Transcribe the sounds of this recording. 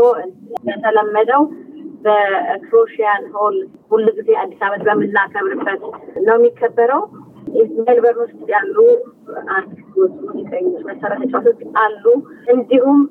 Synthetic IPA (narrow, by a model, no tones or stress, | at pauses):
oɨnbət̪ʰələmːəd̪əwbəkʰɾoʃijanɦol | bulːɨɡɨzead̪ːisaβət̪bəmːɨnːakʰəβɾɨbːət̪nəwnjikʰːəbːəɾəw | izmelbəɾhost̪ʼjalːu | ʔand̪ɨwɔt̪ʼːunikʼəɲːut͡ʃməsəɾət̪ʰat͡ʃʼːat̪okːalːuʔɨnd̪ihum